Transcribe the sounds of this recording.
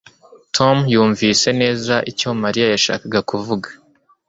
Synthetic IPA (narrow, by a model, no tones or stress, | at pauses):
tʰo̞mjuːɱvise̞ne̞ːzaʔico̞maɾijajaʃa̰ːkaɡakuvuɡḁ